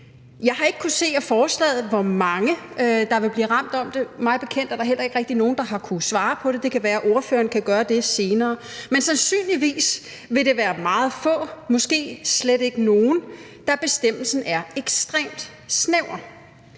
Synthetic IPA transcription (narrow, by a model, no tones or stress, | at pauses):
jɑ̈ɪɦɑ̈e̝ɡ̥ə̥kʰuse̝̰ːæfɒːslɛ̰ːð̩ˠʋɒmɑ̈ŋəd̥ɑ̈ʋe̝b̥liːʁɑ̈m̰d̥ɒ̽md̥e̝mɑ̈ɪðˠb̥e̝̥kʰen̰d̥æɐd̥ɑ̈ɐel̰ɐeɡ̥ʁɛɡ̥̚d̥ino̝ːn̩d̥ɑ̈ɦɑ̈kʰusʋɑ̈ːpʰɒ̽ɾ̥e̝d̥e̝kʰæʋæːɐʔo̝ɐfø̰ːɐnkʰæɡ̥ɶːɐd̥e̝se̝ːnɐːmensænsy̰ːnliʋḭːs | ʋe̝ɾ̥e̝ʋæːɐmɑ̈ːð̞̩ˠfɔ̰̽ːmɒ̽sɡ̥e̝̰ːsleɾe̝ɡ̥əno̝ːn̩ | d̥ɑ̈b̥e̝sd̥em̰l̩sn̩æɐeɡ̥sd̥ʁḛːmd̥ | sneʊ̰ɐ